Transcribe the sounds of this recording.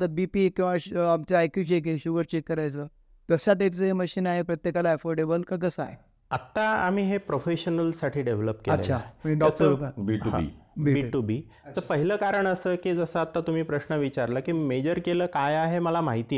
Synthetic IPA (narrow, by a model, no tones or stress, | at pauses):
t̪abipikĩw̃ʋaamt͡ɕajkuɕekeɕuʋəɾt͡ɕekːəɾajt͡səː | t̪əsjaʈ̪eʈt͡səɦeməɕiːnaɦepɾət̪jekalaəfoɾɖebəlkaɡəsa̰ɦe | at̪ːaa̰m̤iːɦepɾofeɕənəlsaʈʰiːɖeʋləpkeəla̰ːʃʰaiɖɔk̚ʈəɾɾokabiʈuḭbiiʈubi | t͡səpəɦiləkaɾəɳəsəːkid͡zəsəat̪ːat̪um̤iːpɾəɕnəʋit͡ɕaɾləkiːmed͡ʑəɾkeləːkajaɦeməlamaɦit̪iː